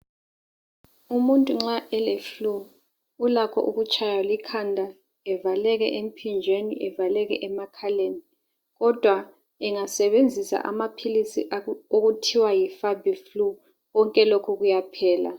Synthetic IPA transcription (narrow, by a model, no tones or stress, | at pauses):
umuntʼuŋ͡ǁaʔɛlefluː | lakʰɔ̰ʔuɣut͡ʃʼʰajalikʰandʱa | ɛvalɛɣɛʔem̩pʰind͡ʒʱwenḭʔɛvalɛɣɛʔɛmakʰaleni | ɣɔd̥ʱwa | ɛŋasɛβend͡zʱisa̰ʔa̰mapʰilisḭʔaoɣutʰiwajifabʱiflu | ɣɔŋkʼɛlokʰuɣujapʰɛːla̰